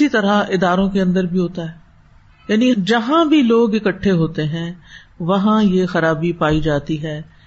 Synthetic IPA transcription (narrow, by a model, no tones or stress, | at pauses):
it̪ɐɾaɪd̪aːɾõkeɐ̃nd̪əɾbʱiɦoːt̪aɦɛː | jaːnid͡ʒɐɦãbʱiloːɡɪkəʈʰːeɦoːt̪eɦɛ̃ː | ʋɐɦãjexɐɾaːbipaːid͡ʒaːt̪iɦɛː